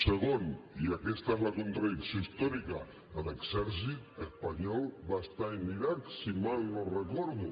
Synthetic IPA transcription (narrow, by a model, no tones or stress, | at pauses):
səɣoniakɛst̪aezlakunt̪ɾaðiksjoist̪ɔɾika | ələɡsɛɾsit̪̚əspaɲɔlˠβast̪aimːiɾat̪simalnorəkɔɾðu